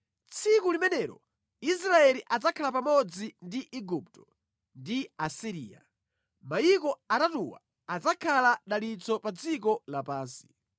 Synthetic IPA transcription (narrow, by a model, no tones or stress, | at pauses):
t͡sʰikulimɛnɛɾɔ | is̬ɾaɛliʔad͡zakʰalap̬amɔd͡zindiʔiɡup̚tɔ | ndiasiɾḭːa̰ | majikɔatatuwa̰ | ad͡zakʰalaɗalit͡sɔpad͡zikɔlapaːnsi̥